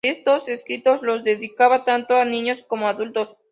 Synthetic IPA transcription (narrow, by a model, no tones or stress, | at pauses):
e̞st̪oseskɾit̪o̞zlo̞zðe̞ðikaβat̪ant̪oanĩɲo̞sko̞moaðult̪o̞s